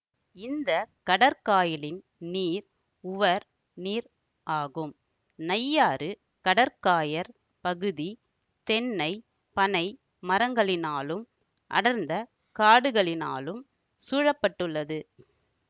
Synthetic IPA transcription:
ɪnd̪ɐkɐɽɐɾkaːjɪlɪn | niːɾ | ʊʋɐɾ | niːɾ | ʔaːɣɯm | nɐjːaːɾɯ | kɐɽɐɾkaːjɐɾ | pɐɣɯði | t̪ɛnːɐɪ | pɐnɐɪ | mɐɾɐŋɡɐɭɪnaːlɯm | ʔɐ̰ɽɐɾnd̪ɐ | kaːɽɯɣɐɭɪna̰ːlɯm | suːɻɐpːɐʈːɯɭːɐðɯ

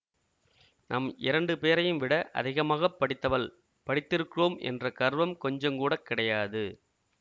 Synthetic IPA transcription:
nʔɐmɪɾɐɳɖɯpeːɾɐjɯmʋɪɽɐʔɐ̰ðɪɣɐmaːɣɐpːɐɽɪt̪ːɐʋɐl | pɐɽɪt̪ːɪɾɯkːɯɾoːmʔɛ̰ndrɐkɐɾʋɐmkɔɲd͡ʒɐmkuːɽɐkːɪɽɐjaːðɯ

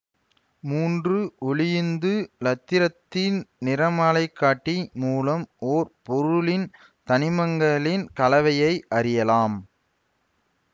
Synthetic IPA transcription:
muːndrɯʔʊɭɪjɯnd̪ɯlɐt̪ːɪɾɐt̪ːɪnnɪɾɐmaːlɐɪkːaːʈːimuːlɐmoːɾpɔɾʊlɪn | t̪ɐnɪmɐŋɡɐlɪnkɐlɐʋɐjɐɪʔɐɾɪjɐlaːm

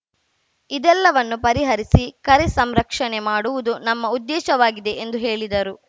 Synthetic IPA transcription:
id̪ɛlːɐʋɐnːupɐɾiɦɐɾisikɐɾesɐmɾɐkʂɐnemaːɽuʋud̪unɐmːɐud̪ːɛːʃɐʋaːɡid̪e̞ʔend̪uɦeːɭid̪ɐɾu

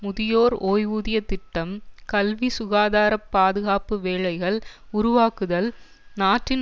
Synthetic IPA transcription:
mʊðɪjoːɾoːjuːðɪjɐt̪ɪʈːɐmkɐlʋisʊɣaːðaːɾɐpːaːðɯɣaːpɯʋeːɭɐɪɣɐɭʊɾʊʋaːkɯðɐl | naːʈrɪn

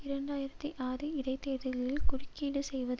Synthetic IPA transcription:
ɪɾɐɳɖaːjɪɾɐt̪ːiʔaːɾɯɪɾɐɪt̪ːeːðɯɣɐɭɪlkʊrɪkːiːɽɯsɛjʋɐð

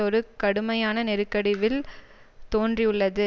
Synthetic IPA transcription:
ɔɾɯkɐɽɯmɐjaːnɐnɛɾɯkːɐɽɪʋɪl | t̪oːndriʊɭːɐðɯ

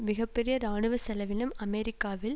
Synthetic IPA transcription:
mɪɣɐpːɛɾɪjɐɾaːɳɯʋɐsɛlɐʋɪnɐmɐmɛɾɪkːaːʋɪl

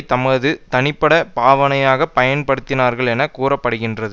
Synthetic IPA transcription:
t̪ɐmɐðɯt̪ɐnɪpːɐɽɐpaːʋɐnɐjaːɣɐpɐjɐnpɐɽɯt̪ːɪnaːɾɣɐɭɛnɐkuːrɐpːɐɽɯɣɪndrɐðɯ

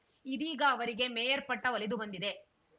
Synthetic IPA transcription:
id̪iːɡɐːʋɐɾiɡe̞mɛːjɐɾpɐʈːɐʋɐlid̪ubɐnd̪id̪e̞

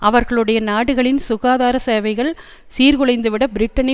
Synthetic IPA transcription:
ʔɐʋɐɾɣɐɭɯɽɐjɐnaːɽɯɣɐɭɪnsʊɣaːðaːɾɐseːʋɐɪɣɐɭ | siːɾɣɯɭɐɪnd̪ɯʋɪɽɐbɪɾɪʈːɐnɪ

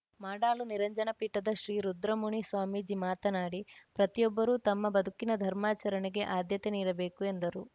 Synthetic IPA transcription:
maːɖaːluniɾɐɲd͡ʒɐnɐpiːʈːɐd̪ɐʃɾiːɾud̪ɾɐmuɳisʋaːmiːd͡ʒimaːt̪ɐnaːɽipɾɐt̪ijɔbːɐɾut̪ɐmːɐbɐd̪ʱukinɐd̪ʱɐɾmaːt͡ʃɐɾɐniɡeʔaːd̪jɐt̪eniːɾɐbe̞ːkue̞nd̪ɐɾu

